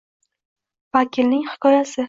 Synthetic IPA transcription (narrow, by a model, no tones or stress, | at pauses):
vakʲʰɪlnɪŋhɪ̥kʰɒjasɪ